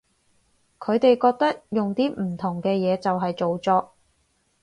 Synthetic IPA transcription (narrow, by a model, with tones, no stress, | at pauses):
kʰɵ˨˧ɥt̪e˨jkɔː˧k̚t̪ɐ˥k̚jʊ˨ŋt̪iː˥m̩˨˩t̪ʰʊ˨˩ŋkɛː˧jɛː˨˧t͡sɐ˨wɦɐ˨jt͡so˨wt͡sɔː˨˧